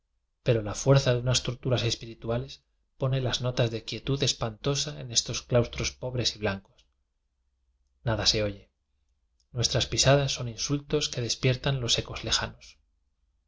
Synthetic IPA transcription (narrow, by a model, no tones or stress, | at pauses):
pe̞ɾo̞lafwe̞ɾθaðeunast̪oɾt̪uɾase̞spiɾit̪uale̞s | po̞ne̞lazno̞t̪azðe̞kje̞t̪uðe̞spant̪o̞saḛne̞st̪o̞sklawst̪ɾo̞spo̞βɾe̞siβlaŋko̞s | naðase̞o̞ʝe̞ | nwe̞st̪ɾaspisaðasːo̞ninsult̪o̞ske̞ðe̞spje̞ɾt̪anlo̞se̞ko̞zle̞xano̞s